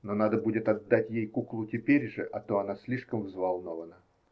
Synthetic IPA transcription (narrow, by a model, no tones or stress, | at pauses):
nonad̪əbudʲɪt̪ɐd̪ːatʲjejkuklˠʊtʲɪpʲeɾʲʐɨʔɐt̪oɐnasʲlʲiʂkəmvzvalˠnovənə